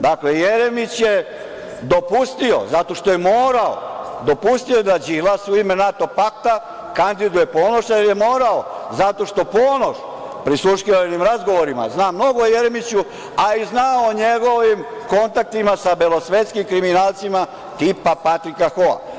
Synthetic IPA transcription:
d̪aklejeɾemit͡ɕje | d̪o̞pust̪io̞̰zat̪o̞ʃt̪o̞je̞moːɾao̰d̪o̞pust̪io̞d̪ad͡ʑilasuime̞nat̪o̞pak̚t̪a | kand̪id̪uje̞po̞ːno̞ʃjeɾje̞mo̞ːɾaozat̪o̞ʃt̪o̞poːno̞ʃ | pɾisuʃkinimɾazɡo̞ʋoɾima̰znaːmːno̞ɡojeɾemit͡ɕu | aiznaooɲe̞ɡo̞ʋimko̞nt̪ak̚t̪imasabelo̞sʋet̪skimkɾiminaːlt̪sima | t̪ipapat̪ɾikaxoa̰

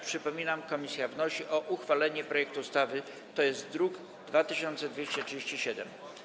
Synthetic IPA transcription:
pʂɘpɔmʲinamkɔmʲisʲjavnɔɕiʔɔʔuxfalɛɲɛpɾɔjɛk̚t̪ust̪avɘ | t̪ɔjɛst̪d̪ɾuɡ | d̪vat̪ɘɕɔnt̪sɛd̪vʲeɕt͡ɕɛtʂɘd͡ʑeɕt͡ɕiɕɛd̪ɛm

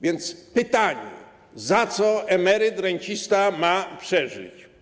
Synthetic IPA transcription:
vʲjɛnt̪spɘt̪aɲɛ̰ | zat̪sɔɛmɛɾɪt̪ɾɛɲt͡ɕist̪amapʂɛʐɪ̰t͡ɕ

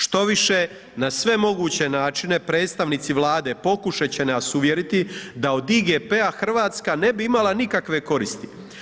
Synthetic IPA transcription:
ʃt̪o̞ʋiʃe̞ | nasʋe̞mo̞ɡuːt͡ɕe̞naːt͡ʃine̞pɾe̞ːt̪st̪aʋnit̪siʋlaːd̪e̞po̞kuʃat͡ɕe̞neasuʋje̞ɾit̪id̪ao̞d̪iɡepeaxr̩ʋaːt̪skane̞biimalanikakʋe̞ko̞ɾist̪i̥

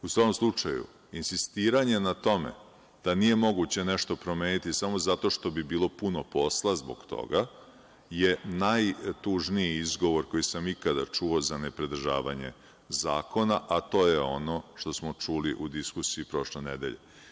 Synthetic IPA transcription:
usʋakomslˠut͡ʂajṵ | insist̪iːɾaɲe̞nat̪o̞mḛ | d̪̥anije̞mo̞ɡut͡ɕe̞neʃt̪o̞pɾo̞meːnit̪isamo̞zat̪o̞ʂt̪o̞bibiːlˠo̞puno̞po̞slˠazbo̰ɡ̥t̪o̞̰ɡa | jenajt̪uʒniiizɡo̞ʋo̞ɾko̞jisamikad̪a̰t͡ʂuo̞zanepɾed̪r̩ʒa̰ːʋa̰ɲe̞̰ | zaːko̞naʔat̪o̞ːjeo̞no̞ʂt̪o̞smot͡ʂuliʔud̪iskusiːpɾo̞ʃlenḛd̪e̞̰ʎḛ

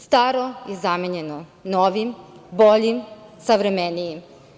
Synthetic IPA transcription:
st̪aːɾojizameɲenonoːʋimboʎimsaʋɾemenijim

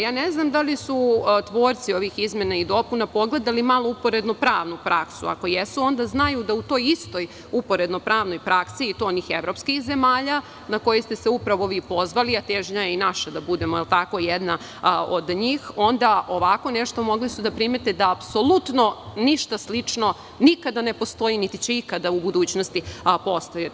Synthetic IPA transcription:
jaːneznamd̪alisut̪ʋo̞ːɾt̪sio̞ʋixizme̞naid̪o̞punapo̞ɡle̞d̪alimalˠoupo̞ɾe̞d̪no̞pɾaːʋnupɾaksṵa̰ko̞jesuo̞nd̪aznajud̪aut̪o̞ːjist̪o̞j | upo̞ɾe̞d̪no̞pɾaːʋno̞jpɾaksiːt̪oonixeʋɾo̞ːpskixze̞maːʎa | nako̞jost̪e̞seupɾaʋo̞ʋiːpo̞zʋaliat̪eʒɲajeinaʃad̪abud̪e̞moelt̪akojed̪na | od̪ɲiːxo̞nd̪aʔoʋako̞ne̞ʃt̪o̞mo̞ɡlisud̪apɾimet̪ed̪aːpso̞lˠut̪no̞niʃt̪aslit͡ʂno̞ | nikad̪anepost̪o̞init̪it͡ɕeikad̪aubud̪uːt͡ɕnost̪ipo̞st̪oje

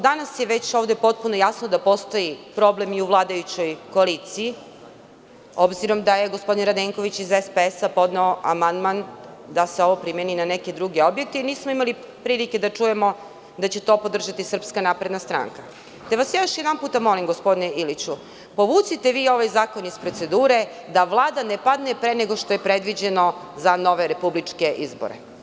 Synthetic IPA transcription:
d̪anasjeʋe̞t͡ɕo̞ːʋd̪e̞po̞t̪̚punojasnod̪apo̞st̪o̞ipɾo̞ble̞miuʋlˠaːd̪ajut͡ɕo̞jkoalit̪sii | o̞bziɾo̞md̪ajeɡospod̪inɾad̪eŋko̞ʋit͡ɕizespeesapo̞d̪neoʔamand̪mand̪aseo̞ʋopɾimjeninaneke̞d̪ɾuɡe̞o̞bjek̚t̪einiːsmoimali | pɾiːlike̞d̪at͡ʂuje̞mo̞ | d̪at͡ɕe̞t̪o̞ːpo̞d̪r̩ʒat̪isr̩pskanapɾe̞d̪nast̪ɾa̰ŋka | t̪eʋasjejoʃjed̪anpuːt̪amo̞limɡo̞spo̞d̪ineilit͡ɕu | po̞ʋuːt̪sit̪eʋiːo̞ʋajzaːko̞nizpɾot̪se̞d̪uːɾe̞d̪aʋlˠaːd̪anepad̪nepɾeneɡoʃt̪ojepɾed̪ʋid͡ʑeno̞ | zano̞ʋeɾe̞publit͡ʂke̞ʔizbo̰ɾḛ

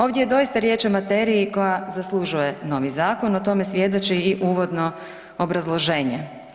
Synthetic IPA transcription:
o̞ːʋd̪jejed̪o̞jist̪aɾje̞ːt͡ʃo̞mat̪eːɾiiko̞jazaslˠuʒuje̞no̞ʋizaːko̞not̪o̞me̞sʋje̞d̪ot͡ʃiiʔuːʋo̞d̪no̞ | obɾazlˠo̞ʒe̞ːɲe

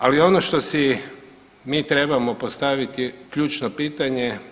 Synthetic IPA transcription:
alio̞noʃt̪o̞si | miːt̪ɾe̞bamo̞po̞st̪aʋit̪ikʎuːt͡ʃnopiːt̪aɲe̞

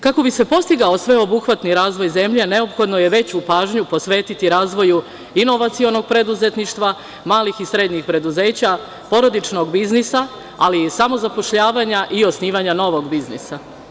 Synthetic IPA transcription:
kako̞bise̞po̞st̪iɡao̞sʋe̞o̞buxʋat̪niɾaːzʋo̞jze̞mʎe̞ne̞o̞pxo̞d̪no̞je̞ʋe̞t͡ɕupaːʒɲupo̞sʋe̞ːt̪it̪iɾaːzʋo̞ju | ino̞ʋat̪sio̞no̞ɡ̚pɾe̞d̪uze̞t̪niʃt̪ʋa | maːlixisɾe̞d̪ɲixpɾe̞d̪uze̞ːt͡ɕa | po̞ɾo̞d̪it͡ʃno̞ɡbiznisa | alisamo̞zapo̞ʃʎaːʋaɲaʔio̞sniːʋaɲano̞ʋo̞ɡbiznisa

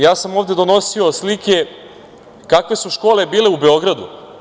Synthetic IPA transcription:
jaːsamo̞ːvd̪ed̪o̞no̞sio̞slike̞ | kakʋe̞suʃko̞ːle̞biːle̞ube̞o̞ɡɾad̪ṵ

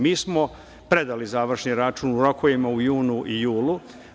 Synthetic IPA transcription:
miːsmo̞ | pɾed̪alizaːʋr̩ʃɲiɾat͡ʃunuɾokʰojimaujuːnuʔijuːlu

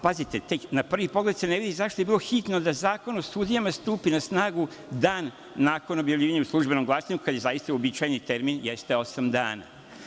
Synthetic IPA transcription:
pazit̪e̞t̪eknapr̩ʋipo̞ɡle̞d̪seneʋid̪izaʃt̪ojeiːloxit̪no̞d̪azaːko̞nosud̪ijamast̪uːpinasnaːɡu | d̪aːnː | aːko̞no̞bjavlʎiːʋaɲeuslˠuʒbe̞no̞mɡlˠasaɲukad̪jezajist̪aobit͡ʃajnit̪eɾminjest̪eo̞samd̪a̰ːna̰

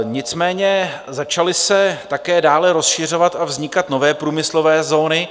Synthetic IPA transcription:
ɲɪt͡smɛːɲɛ | zat͡ʃalɪsɛt̪akɛːdaːlɛɾo̞sʃɪr̝o̞vat̪ʔavzɲɪkat̪no̞vɛːpɾuːmɪslo̞vɛːzo̞ːnɪ

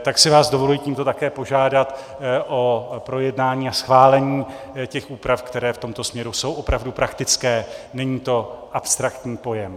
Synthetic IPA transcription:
t̪aksɪvaːzdo̞vo̞lujiːciːmt̪o̞t̪akɛːpo̞ʒaːdat̪ | ʔopɾo̞jɛdnaːɲiːasxvaːlɛɲiː | cɛxʔuːpɾafkt̪ɛɾɛːft̪o̞mt̪o̞smɲɛɾuso̞wʔo̞pɾavdupɾakt̪ɪt͡skɛːnɛɲiːt̪o̞ʔapst̪ɾakt̪ɲiːpo̞jɛm

